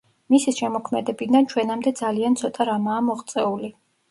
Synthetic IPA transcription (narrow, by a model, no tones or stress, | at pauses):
misiʃɛmɔkʰmɛd̪ɛbid̪ant͡ʃʰwɛnamd̪ɛd̪zaliant̪sʰɔt̪ʰaɾamaːmɔχt̪sʼɛuli